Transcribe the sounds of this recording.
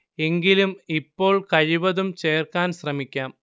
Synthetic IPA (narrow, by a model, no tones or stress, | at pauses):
e̞ŋɡilumipːo̞ːɭkɐɻiʋɐðumt͡ɕe̞ːrkaːnsrɐmikʲːaːm